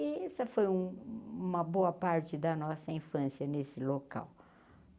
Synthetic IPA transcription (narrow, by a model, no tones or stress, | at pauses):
ɪɛsɐfojũũmɐboɐpaɾt͡ʃɪd̪ɐnɔsɐĩfɐ̃sjɐnesɪloka̰w